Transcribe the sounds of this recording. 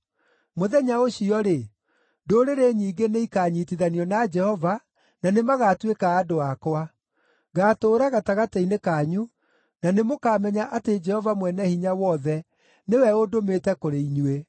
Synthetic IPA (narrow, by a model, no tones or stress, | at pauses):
moðɛɲaoɕiɔɾe | doːɾeɾeɲiːɡeneikaːɲitiðaniɔnad͡ʒɛhɔva | nanemaɣaːtwekaːdoakwa | ɣaːtoːɾaɣataɣatainekaːɲu | nanemokaːmɛɲaʔated͡ʒɛhɔvamwɛnɛhiɲawɔðɛ | newɛodometɛkoɾeiɲuwe